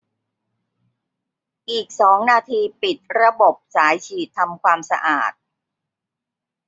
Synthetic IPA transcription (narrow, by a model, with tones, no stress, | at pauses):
ʔiː˨˩k̚sɔː˩˦ŋnaː˧t̪ʰiː˧pi˨˩t̪̚ɾa˧bo˨˩p̚saː˩˦jt͡ɕʰiː˨˩t̪ʰːa˧mkʰwaː˧msa˧ʔa̰ː˨˩t̪̚